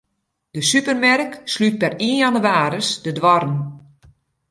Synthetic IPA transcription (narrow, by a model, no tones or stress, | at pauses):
d̥əsypərmɛrkslyt̚pɛriənandəʋaːɾəsdədʋɔrən̩